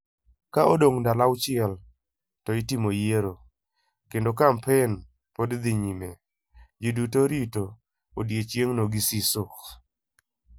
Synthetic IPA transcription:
kaodoŋndalawt͡ʃɪɛl | tɔɪtimojeɾo | kendokampɛn | podd̪iɲime | d͡ʒidutoɾito | odjet͡ʃjeŋnoɡisisʊk

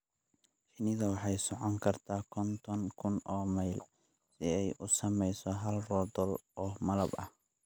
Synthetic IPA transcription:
ʃɪnɪðɐwɑħɑjsɔʕɔŋkʰɐrt̪ʰaːkʰɔnt̪ʰɔnkʰʊnɔːmɐjl | sɪɛjʔʊsɐmɛjsɔɦɐlrɔd̪ɔlʔɔːmɐlɐbɐ̰h

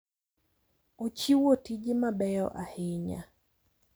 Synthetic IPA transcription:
ot͡ʃiwotid͡ʒɪmabɛjɔʔahɪɲa̰

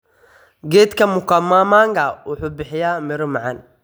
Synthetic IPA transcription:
ɡɛːt̪kʰɐmʊkɐmamaːŋɡɐwʊħuːbɪħɪjaːmɪɾʊmɑʕɑn

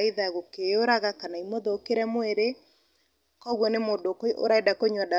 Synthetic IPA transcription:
iðaɣokejoɾaɣakanaimoðokeɾɛmoeɾe | kɔɣwɔnemodokoo̰ɾaedakoɲwada

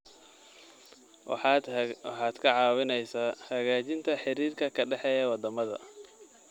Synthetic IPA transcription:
wɑħɑːd̪̥kʰɐʕɑːwɪnɛjsaːhɐɣaːt͡ʃɪnt̪ʰɐħɪɾiːrkʰɐkʰɐɖɛħɛːjɐwɑd̪ɐmɐðɐ̰

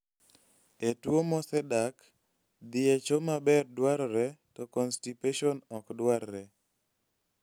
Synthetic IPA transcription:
etwomɔsɛdak | d̪ɪet͡ʃomabɛrdwaɾɾɛtɔkɔnstipeʃonɔkdwaɾːɛ

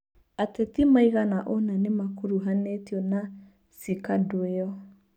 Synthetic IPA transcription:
atetimaiɣanaʔonanemakuɾuɦanetiɔna | sikadoeɔ

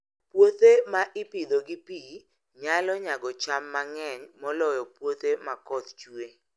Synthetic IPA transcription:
pwot̪emaʔɪpid̪oɡɪpi | ɲalɔɲaɡɔt͡ʃamːaŋɛɲmɔlɔjɔpwot̪emakɔt̪̚t͡ʃue

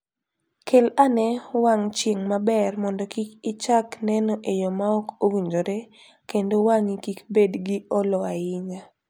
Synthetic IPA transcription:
kelanɛwaŋt͡ʃeŋmabɛrmɔndɔkikit͡ʃaknɛnɔʔejɔmaɔkowiɲd͡ʒoɾe | kendowaŋikikbedɡɪɔlɔaɪɲa

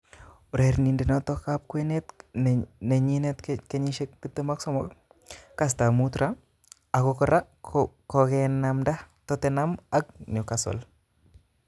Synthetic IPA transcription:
uɾɛɾnindenɔtɔkap̚kwɛnet | nɛɲinɛtkɛɲiʃekːitːəmaksɔmɔk | kas̬tamutɾa | akɔkɔɾa | kɔkɛnamda | tɔtɛnamak̚nɔkasɔ̰l

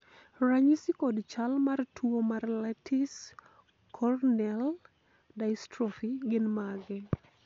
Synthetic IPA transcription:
raɲisikɔdt͡ʃalmartʰuomarlɛtis | kʰɔrnɛl | dajstɾɔfiɡɪnmaɡɛ

